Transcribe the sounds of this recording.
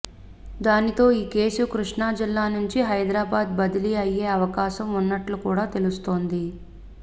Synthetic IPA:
d̪aːnit̪o̞ːiːke̞ːsukɾuʂɳaːd͡ʒilːaːnuɲt͡ʃiɦɐjd̪ɾaːbaːd̪bɐd̪iliɐje̞ːɐʋɐkaːʃɐmunːɐʈlukuːɽaːt̪e̞lust̪o̞ːnd̪i

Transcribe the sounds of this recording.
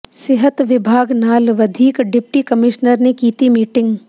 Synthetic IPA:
sɪɦət̪ʋɪbʱaːɡnaːlʋɐd̪ʱiːkɖɪpʈikɐmɪʃnəɾnekiːt̪imiːʈɪ̃ŋɡ

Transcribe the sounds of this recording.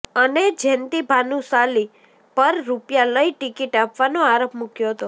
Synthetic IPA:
əned͡ʒʱɛnt̪ibʱanũsali | pəɾːupjaləiʈikiʈapʋanoaɾopmukjoɦət̪o

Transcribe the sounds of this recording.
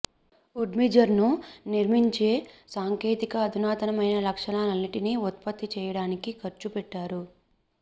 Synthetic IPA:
uɖmid͡ʒɐɾnuniɾmiɲt͡ʃe̞ːsaːŋke̞ːt̪ikɐːd̪ʱinaːt̪ɐnɐmɐjnɐlɐkʂɐnaːlɐnːiʈiniut̪pɐt̪ːit͡ʃɛːjɐɽaːnikikʰɐɾt͡ʃupɛʈːaːɾu

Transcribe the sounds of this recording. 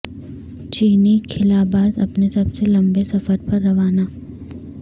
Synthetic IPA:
t͡ʃiːnikʰɪlaːbaːd̪ɐpnesɐbselɐ̃mbesɐfəɾpɐɾːɐʋaːnaː

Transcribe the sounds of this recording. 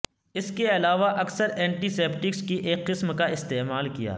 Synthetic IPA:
ɪskeɐlaːʋaʔɐksəɾɛ̃ːɳʈiseːpʈɪkskiʔeːkːɪsmkaɪst̪eːmaːlkija̰ː

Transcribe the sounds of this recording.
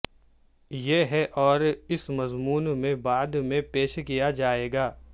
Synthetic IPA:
jeɦɛʔɔːɾɪsmɐzmuːnmẽbaːd̪mẽpeːʃkijad͡ʒaːeːɡaː

